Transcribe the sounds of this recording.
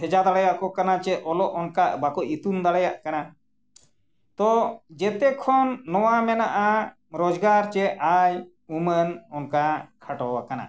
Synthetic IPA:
ɛd͡ʒad̪aɽajaʔkɔkanat͡ʃɛʔɔlɔʔɔnkabakɔʔit̪und̪aɽajaʔkana | t̪ɔd͡ʒɛt̪ɛkʰɔnːɔwamɛnaʔa | ɾɔd͡ʒɡaɾt͡ʃɛʔaj | umənɔnkakʰaʈɔwakana̰

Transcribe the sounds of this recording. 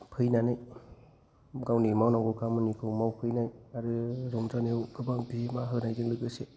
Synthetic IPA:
pʰɯjnanɯj | ɡawnimawnaŋɡɔkʰamɯnikʰɯwmawpʰɯjnajaɾɯɾɔŋzanewɡɯbaŋbiemaɦɯnajzɯŋlɯɡɯse

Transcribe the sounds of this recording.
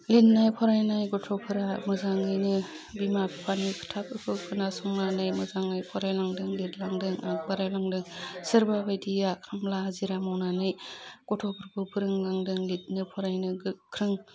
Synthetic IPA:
lit̚najpʰɔɾajnajɡɔtʰɔpʰɯɾamɯzaŋɯjnɯ | bimapʰipʰanikʰɯ̥tʰap̚ɯkʰɯpʰɯnasɔŋnanɯjmɯzaŋɯjpʰɔɾajlaŋdɯŋlit̚laŋdɯŋak̚baɾajlaŋdɯŋsɯɾbabajdijakʰamlahaziɾamawnanɯjɡ̥ɔtʰɔpʰɯɾpʰɯpʰɯɾɯŋlaŋdɯŋlit̚nɯpʰɔɾajnɯɡɯkʰɾɯŋ

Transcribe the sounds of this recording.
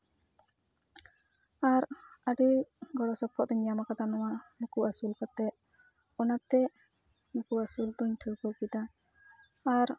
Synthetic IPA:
aɾəɖiɡɔɽɔsɔpʰːɔʔd̪ɔɲːamakat̪anɔwamukuasulkɔt̪ɛʔ̪̚ | ɔnat̪ɛʔ | mukuasuld̪ɔɲʈʰəkɔkit̪aː | ɾ

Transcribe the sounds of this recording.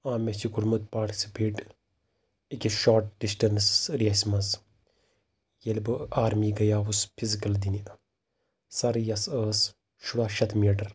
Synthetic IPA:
aːmet͡ʃiɡuɾmut̪̚paːɾʈi̥sʲipʰiʈ | ikʲiʃoːɾʈ̚ɖisʈɐɾnsɾiɐsʲmɐs | jɐlʲbɨaːɾmiːɡɐjaːʋuspʰizikɐld̪ini | sɐɾɨjɐsəːs | ʃuɽaːʃɐt̪miːʈɐɾ

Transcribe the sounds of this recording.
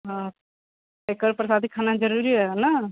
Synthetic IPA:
ɦã | t̪ekəɾpɾəsaːd̪ikʰaːnad͡ʒəɾuːɾiɦɛna

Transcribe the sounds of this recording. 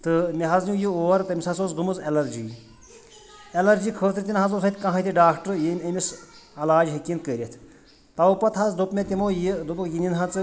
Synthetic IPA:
t̪ɨmiɦɐznʲujioːɐɾt̪ɐmʲisɐsoːzɡɨmɨzɐlɐɾd͡ʒiː | elɐɾd͡ʒikʰəːt̪ɾt̪ʲinɦɐzoːsʰɐt̪ʰʲkɐ̃ɦɐt̪ʰʲiɖaːkʰʈəɾjemʲemʲis | ɐlaːd͡ʒɦekʲinkəɾʲet̪ʰ | t̪ɐwpɐt̪ʰɦɐt͡sd̪opmʲet̪ʲimojid̪upkjinʲinɦɐt͡sɨ

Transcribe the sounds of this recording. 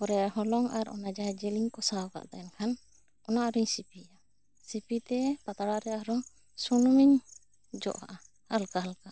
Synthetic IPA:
kɔɾɛɦɔlɔŋaɾʔɔ̰nad͡ʒaɦɛd͡ʒɛliɲkɔsaka̰ʔd̪aɛnkʰan | ɔnaʔaɾiɲsipia | sipit̪ɛpat̪aɽaɾɛaɦɔɾɔŋ | sunɔmiɲ | d͡ʒɔ̰ʔɦaʔa | halkaɦalka

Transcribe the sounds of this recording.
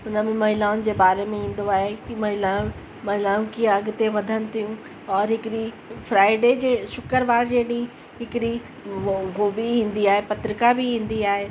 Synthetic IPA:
ʊnəmẽmɐɦɪlaːʊnɪ̆d͡ʑeːbaːɾemẽĩːn̆d̪oaːɦekimɐɦɪlã | mɐɦɪlaːũkiaɐɡʊ̆t̪eʋɐd̪ʱənɪ̆t̪ʰijũ | ɔːɾɦɪkɪɾi | fɾaːɪɖeːd͡ʑesʊkəɾʋaːɾd͡ʑeːɗĩ | ɦɪkɪɗi | ɦoːbiɦĩːnd̪iaːɦepɐt̪ɾɪkabʱiɦĩːnd̪iaːɦeː

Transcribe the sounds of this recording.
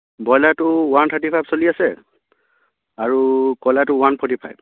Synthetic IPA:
bɔjlatʊwantʰatipʰajbsoliasɛ | aɹukɔjlatʊwanpʰɔtipʰa̰jb̚

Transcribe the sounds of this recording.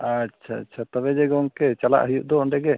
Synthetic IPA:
atʃʰa̰at̪ɔβɛd͡ʒɛɡɔŋkɛt͡ʃala̰ʔɦujuʔd̪ɔɔɳɖɛɡɛ

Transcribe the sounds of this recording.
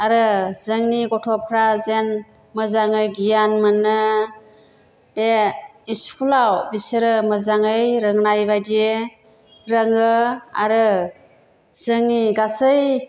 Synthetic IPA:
aɾɯzɯŋniɡɔtʰɔpʰɾazen | mɯzaŋɯjɡijanmɯnːɯ | b̥eiskʰulawbisɯɾɯmɯzaŋɯjɾɯŋnajbajdie | ɾəŋɯa̰ɾɯ | z̥ɯŋniɡasɯj

